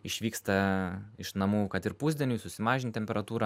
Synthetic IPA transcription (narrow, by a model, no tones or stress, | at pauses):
ɪʃʲʋʲiːkst̪ɐɪʃnɐmuːkɐt̪ɪɾpuːzʲd̪ʲɛnʲuːsʊsʲɪmɑːʒʲɪnt̪ʲt̪ʲɛmʲpʲɛɾɐt̪uːɾɐ